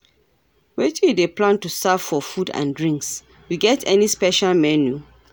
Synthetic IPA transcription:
wetʰĩdeplãntusav̥fɔfudã̰ndɹĩŋks | wiɡɛtʰɛnispɛʃalmɛnju

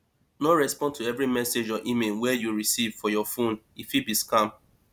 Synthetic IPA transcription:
noɹɛspɔ̃ntʰuɛvɹimɛsed͡ʒɔʔimelwɛjuɹisivfɔjɔfõn | ifibiskãm

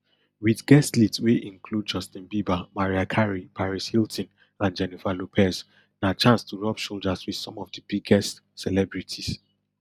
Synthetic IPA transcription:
wiðɡɛstlitsweʔĩŋkʰlud̚d͡ʒɔstĩnbibamaɹiakʰaɹipʰaɹishiltɔ̃n | ãnd͡ʒɛnifalopʰɛs | nat͡ʃãnstʰuɹɔpʃold͡ʒaswið̥sɔ̃mɔvdəb̥iɡɛst | sɛlɛbɹitʰis

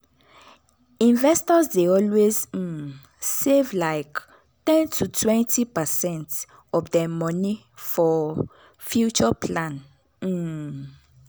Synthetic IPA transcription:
ĩnvɛstɔsdeɔlwez̩ | sevlaɪk | tɛ̃ntʰutʰwɛ̃ntʰipəsɛ̃nt | ɔfdɛmɔ̃ni | fɔ | fjut͡ʃɔpʰlãn̩

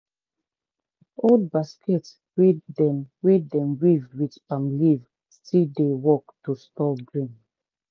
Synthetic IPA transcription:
old̚baskɛt | wedɛmwedɛ̃mwivdwitãmliv | stidewɔktustɔɡɹĩn

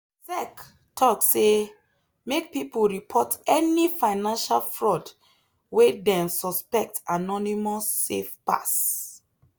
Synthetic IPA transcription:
sɛk | tʰɔkse | mek̚pipulɹipʰɔtɛnifaɪnãnʃalfɹɔd | wedɛ̃nsɔspɛk̚tanɔnimɔsːḛfpa̰s

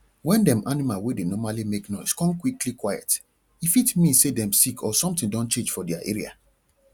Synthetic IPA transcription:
wɛ̃ndɛ̃mʔanimalwedenɔmalimeknɔɪskɔ̃nkwiklikwajɛ̰t | ifitmĩnsedɛ̃msikʰɔsɔ̃mtĩndɔ̃nt͡ʃẽnd͡ʒfɔdɛaʔḛɹia̰

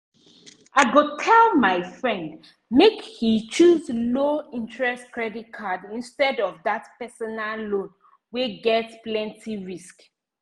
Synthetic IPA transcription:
aɪɡotʰɛlmaɪfɹɛ̃nd | mekhit͡ʃuzloĩntɹɛstkɹɛdit̚kʰadĩnstɛdɔvðatpɛsɔnallõn | weɡɛtsplɛ̃ntʰiɹisk

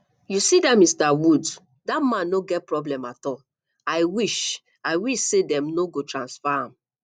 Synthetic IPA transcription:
jusidamistawud | datmãnːoɡɛt̚pɹɔblɛ̃matɔl | aɪwiʃ | aɪwiʃsedɛ̃mnoɡotɹãnsfaãm

